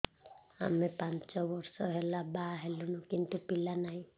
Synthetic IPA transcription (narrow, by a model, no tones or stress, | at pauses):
a̰mepant͡ʃɔbɔɾsɔɦelabaɦelunukint̪upilanaɦĩ